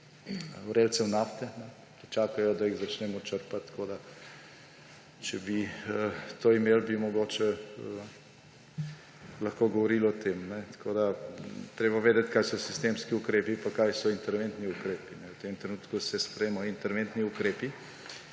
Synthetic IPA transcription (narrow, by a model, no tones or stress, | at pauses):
wɾeltsɛwnaft̪ɛnɛ | kit͡ʃaːkajɔd̪aiɣzat͡ʃnɛmɔt͡ʃəɾpat̪ːkod̪a | t͡ʃɛbiət̪oimeːlbimɔɡoːt͡ʃɛ | lɐxkoɡɔʋɔɾilɔt̪ʰemnɛt̪kʰod̪at̪ɾeːbaʋeːd̪ɛt̪ʲkajsɔsist̪emskiukɾeːpipakajsɔint̪ɛɾʋent̪niukɾeːpinɛwt̪emt̪ɾɛnuːt̪kusɛspɾemɔint̪ɛɾʋent̪niukɾeːpi